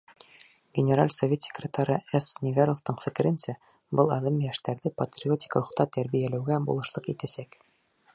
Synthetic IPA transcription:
ɡʲɪnʲeɾalʲsovʲet̪sʲe̥krʲɪt̪ɑɾɤesnʲɪvʲaɾˠoft̪ɤɴfɘ̆kɘ̆ɾɘ̆nsæ | bɤlˠɑðɤmjæʃt̪æɾðɘpɐt̪rʲɪo̞t̪ʲi̥kruχt̪ɑt̪æɾbijælæwɡæbṵlˠɤ̆ʃlˠɤqit̪æsæk

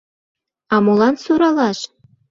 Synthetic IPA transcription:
ɑmulˠɑnsuɾɑlˠɑʃ

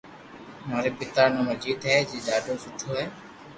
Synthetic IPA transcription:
maːɾeːpɪt̪aːnõːməd͡ʒiːd̪ɦɛːd͡ʒiːɗaːɖoːsʊʈʰoːɦɛː

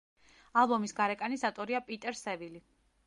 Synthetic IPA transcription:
alˠbɔmisɡaɾɛkʼanisat̪ʼɔɾiapʼit̪ʼɛɾsɛvili

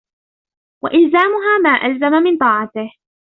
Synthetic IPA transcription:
wa̰ʔɪlzaːmʊɦaːmaːʔalzamamɪnt̪ˤɑːʕɑt̪ɪh

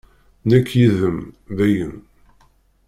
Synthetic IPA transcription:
nækːjiðəmvæjən

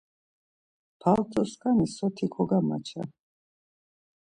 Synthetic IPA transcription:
pʰalt̪ʼɔskʼanisɔt̪ʰikʰʼɔɡama̰t͡ʃʰa̰

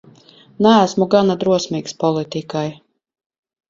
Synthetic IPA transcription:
næːsmuɡanad̪ɾuɔsmiːkspɔlˠit̪ikaj

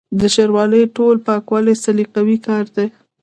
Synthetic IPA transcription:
d̪əʃaɾwɑləjʈolpɑkwɑlesaliqawikɑɾd̪e

